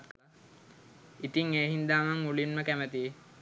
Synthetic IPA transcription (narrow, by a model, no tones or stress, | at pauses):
t̪kla | it̪iŋeːɦind̪aːmaŋulinməkæmət̪i